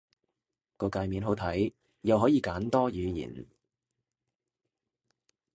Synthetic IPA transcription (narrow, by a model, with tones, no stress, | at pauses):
kɔː˧kaː˧jmiː˨˧nɦo˨˥wt̪ʰɐ˨˥j | jɐ˨˧wɦɔː˨˥jiː˨˧kaː˨˥nt̪ɔː˥jyː˨˧jḭː˨˩n